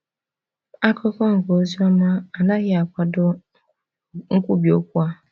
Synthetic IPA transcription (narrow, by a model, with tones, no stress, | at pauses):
a˦kɔ˦kɔ˦ŋ̩˨ɡo˨˦zu˦ɔ˦ma˦a˨na˦ɣɪ˦a˨kʷa˨dʊ˦ | ŋ̩˦kʷu˦bi˨o˦kʷu˦a˦